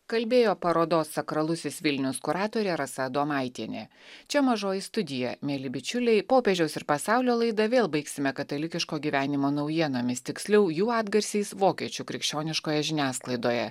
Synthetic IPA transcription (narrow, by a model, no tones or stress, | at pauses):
kɐlʲbʲeːjoːpɐɾoːd̪oːsːɐkɾɐlˠʊsʲɪsʋʲɪlʲnʲʊskʊɾɑːt̪oːɾʲeːɾɐsɐd̪oːmɑˑɪt̪ʲiɛnʲḛː | t͡ʃʲɛmɐʒoːjɪst̪ʊd̪ʲɪjɛmʲeːlʲɪbʲɪt͡ʃʲʊlʲɛɪpoːpʲɛʒʲɛʊsɪɾpɐsɑˑʊlʲoːlˠɐɪd̪ɐʋʲeːlˠbɐɪksʲɪmʲɛkɐt̪ɐlʲɪkʲɪʃkoːɡʲiːʋʲæːnʲɪmoːnɐʊjiɛnoːmʲɪst̪ʲɪksʲlʲɛʊjuːɑːd̪ɡɐɾʲsʲiɪsʋoːkʲiɛt͡ʃʲuːkɾʲɪkʃʲt͡ʃʲoːnʲɪʃkoːjɛʒʲɪnʲæːsklˠɐɪd̪oːjɛ̰